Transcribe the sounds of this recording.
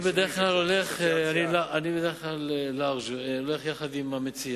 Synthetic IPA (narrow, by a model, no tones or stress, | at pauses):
bed̪eeχklaloleχeanilaanibed̪eeχklalelaʁʒoleχjaχad̪imamet͡si